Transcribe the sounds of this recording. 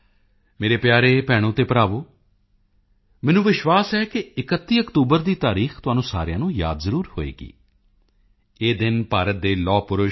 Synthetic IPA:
meːɾeːpjaːɾeːpɛːɽ̃õːt̪eːpəɾaːʋoː | mɛːnũːʋɪʃʋaːsɛːkɪɪkət̪ːiːəkt̪uːbəɾd̪iːt̪aːɾiːxt̪ʊaːnũːsa̰ːɾɪjãːnũːja̰ːd̪zəɾuːɾho̰ːḛːɡḭː | eːd̪ɪnpaːɾət̪̚d̪eːlɔːpʊɾʊ

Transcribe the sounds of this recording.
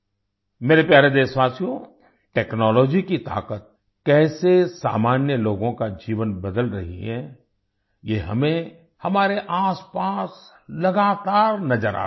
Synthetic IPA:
meːɾepjaːɾed̪eːsʋaːsijõ | ʈɛːknɔːlɔːd͡ʒikit̪a̰ːqət̪̚ | kɛːsesa̰ːmaːnjəloːɡõkad͡ʒiːʋənbɐd̪əlɾɐ̰ɦḭɦɛ̰̃ː | jeɦɐ̰mẽ | hɐmaːɾeʔaːspaːs | lɐɡaːt̪aːɾnɐzəɾa̰ː

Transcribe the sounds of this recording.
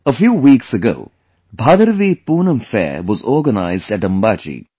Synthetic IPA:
əfjuːwiːksəɡo̰ː | bʱaːd̪əɾʋiːpuːnə̃mfɛ̰wɔzɔːɾɡəna̰ɪzɖæʈə̃mbaːt͡ʃḭː

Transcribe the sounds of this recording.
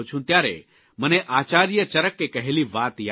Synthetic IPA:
ot͡ʃʰũnt̪jaːɾḛ | məneʔaːt͡ʃaːɾijət͡ʃəɾəkːekɐɦeliʋaːt̪ja

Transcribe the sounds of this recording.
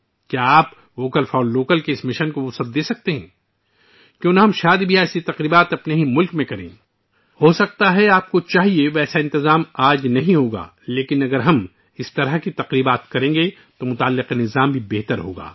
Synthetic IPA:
kjaːp | ʋoːkəlfʰɔːloːkəlkeɪsmɪʃənkoʋʊsəb̚d̪eːsɐk̚t̪eɦɛ̰̃ː | kjjõːnaɦɐmʃaːd̪ibʱiɛːsit̪ɐqɾiːbaːt̪ɐpneɦimʊlkmẽkɐɾḛ̃ː | hoːsɐk̚t̪aɦɛaːp̚kot͡ʃaːɦieʋɛːsaɪ̃nt̪ɪzaːmaːd͡ʒnɐɦĩɦoːɡa̰ː | leːkɪnɐɡəɾɦɐm | ɪst̪ɐɾəɦkit̪ɐqɾiːbaːt̪kɐɾẽːŋɡe | t̪omʊt̪aːlːɪqenɪzaːmbʱibeɦt̪əɾɦo̰ːɡa̰ː

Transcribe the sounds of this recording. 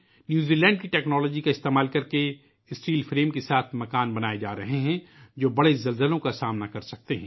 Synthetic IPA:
njuːziːlɛ̃ːɳɖ̚kiʈɛːknɔːlɔːd͡ʒikaɪst̪eːmaːlkɐɾke | ɪsʈiːlfɾeːmkesaːt̪ʰmɐkaːnbɐnaːed͡ʒaːɾɐɦeɦɛ̃d͡ʒoːbɐɽezɐlzəlõkasaːmnakɐɾsɐk̚t̪eɦɛ̃ː

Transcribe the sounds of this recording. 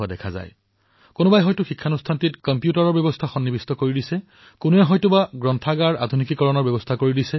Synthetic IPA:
ɔdɛkʰaza̰j | kʊnʊbajɦɔjtʊxikʰːanustʰantitkɔmpjutaɹɔɹbjɔbɔstʰaxɔnːibistɔkoɹidisɛ | kʊnuɛɦɔjtʊbaɡɹɔntʰaɡaɹʔa̰dʱunikikɔɹɔnɔɹbjɛbɔstʰakoɹidisɛ

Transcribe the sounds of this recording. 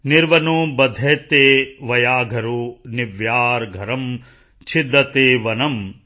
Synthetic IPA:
niɾʋɐnubɐd̪ʱeːt̪eːʋɐjaːɡʱɐɾuniʋjaːɾɡʱɐɾɐm | t͡ʃʰid̪ːɐt̪eːʋɐnɐm

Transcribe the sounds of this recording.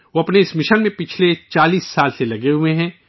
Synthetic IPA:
ʋoɐpneɪsmɪʃənmẽpɪt͡ʃʰlet͡ʃaːliːsːaːlselɐɡeɦʊẽɦɛ̃ː

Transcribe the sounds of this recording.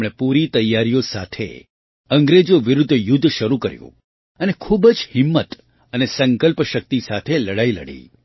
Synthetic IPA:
ɽ̃epuɾit̪əjːaɾijosa̰t̪ʰḛ | ə̃ŋɡɾed͡ʒoʋɪɾʊd̪ʱːjʊd̪ʱːʃəɾukəɾjṵ̃ | ənekʰubd͡ʒhɪmːət̪ | ənesə̃ŋkəlpʃək̚t̪isat̪ʰeləɽailə̰ɽḭ

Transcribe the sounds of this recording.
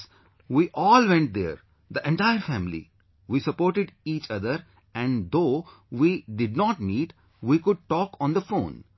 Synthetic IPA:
ʋiːʔɔːlʋɛ̃ɳʈ̚d̪ḛːɾ | d̪iʔɛ̃ɳʈaɪəɾfæ̃mlḭ | ʋiːsəpoːɾʈɪɖiːt͡ʃʌd̪əɾ | ɛ̃ɳd̪oː | ʋiːɖɪɖ̚nɔːʈmiːʈ | ʋiːkʊɖ̚ʈɔːkɔ̃ːnd̪əfõ̰ːn

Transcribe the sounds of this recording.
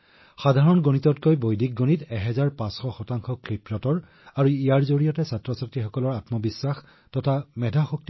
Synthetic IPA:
xadʱaɹɔnɡonitɔtkojbojdʱik̚ɡonitɛɦɛzaɹpãsxɔxɔtaŋxɔkɹipɹɔtɔɹ | aɹuijaɹzoɹijɔtɛsatɹɔsatɹixɔkɔlɔɹatmɔbisːax | tɔtʰamɛdʱaxuk̚ti

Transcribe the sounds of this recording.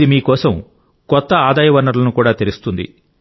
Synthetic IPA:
imiːkɔːsɐm | kɔt̪ːɐaːd̪aːjɐʋɐɾnːɐɾlɐnukuːɽaːt̪eɾust̪und̪ḭ

